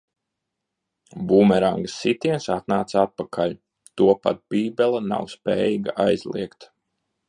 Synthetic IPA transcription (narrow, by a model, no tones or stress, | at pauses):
bumɛɾaŋɡəsːit̪iɛnsat̪naːt̪saat̪̚pakʰalʲ | t̪uɔpa̰t̪̚b̥iːbʲɛlˠana̰wspɛ̰ːjiːɡaʔajzlˠḭɛkt̪